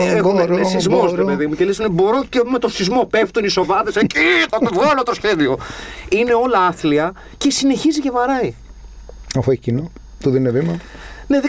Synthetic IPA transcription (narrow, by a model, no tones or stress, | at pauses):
eɣomneszmosɾepeðimucelesonebo̞ɾo̞ce̞me̞t̪oθizmo̞pe̞ft̪uniso̞vɐðesecit̪ot̪vɣɐlot̪o̞sçe̞ðio̞ine̞o̞lɐɐθliɐ | ce̞sine̞çiziʝɐvɐɾɐi | ɐfocino | t̪uðeninevimɐ | ne̞ð